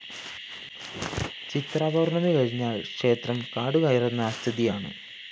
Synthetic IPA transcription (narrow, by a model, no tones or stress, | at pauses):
t͡ɕit̪raːbʱɐːrɳɐmiʋɐɻiɲːaːɭkʂe̞ːt̪rɐmkaːɽuɣɐjɐrenːaːst̪ʰiðijaːɳɨ̰